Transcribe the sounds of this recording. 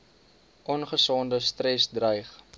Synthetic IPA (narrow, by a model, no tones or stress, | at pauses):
ʔɔnχəsɔndəstrɛsdrəjχ